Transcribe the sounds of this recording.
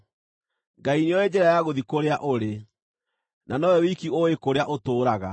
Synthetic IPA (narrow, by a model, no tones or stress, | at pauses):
ŋɡainejɔed͡ʑɛɾajaɣoðikoɾeaʔoɾe | nanɔɛwikioekoɾeaʔotoːɾaɣa̰